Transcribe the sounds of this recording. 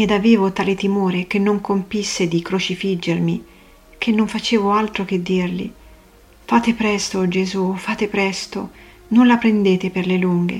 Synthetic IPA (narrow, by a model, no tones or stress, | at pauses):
ed̪aveːvot̪aːlet̪imoːɾek̟enːoŋkompisːed̪ikɾot͡ʃifid͡ʒːermi | k̟ʰenːoɱfat͡ʃeːvoalt̪ɾok̟ed̪ːirlḭ | fat̪epɾɛst̪od͡ʒezufaːt̪epɾɛst̪o | nonlapɾend̪eːt̪eperleluŋɡḛ